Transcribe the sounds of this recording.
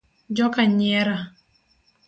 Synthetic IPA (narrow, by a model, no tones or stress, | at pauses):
d͡ʒɔkaɲɛɾa